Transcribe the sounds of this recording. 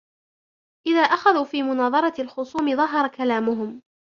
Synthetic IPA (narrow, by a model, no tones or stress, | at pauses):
ʔɪðaːʔaxaðuːfiːmʊnɑːðˤɑɾˤɑlxʊsˤuːmɪðˤɑɦɑɾˤɑkalaːmʊɦʊm